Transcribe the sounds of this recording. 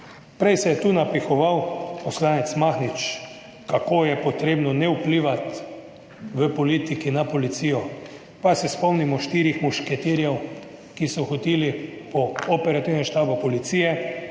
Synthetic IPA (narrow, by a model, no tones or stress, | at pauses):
pɾɛjsɛjɛt̪unapixɔʋawpɔslaːnɛt̪smaxnit͡ʃ | kakoːjɛpɔt̪ɾeːbnɔnɛupliːʋat̪ | ʋəpɔliːt̪ikinapolit̪siːjɔ | pasɛspɔmnimɔʃt̪iɾixmuʃkɛt̪iɾjɛw | kisɔxot̪ilipɔɔpɛɾat̪iwnɛmʃt̪aːbʊpɔlit̪siːjɛ